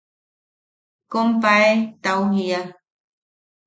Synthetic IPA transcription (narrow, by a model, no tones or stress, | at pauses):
kompaet̪auhia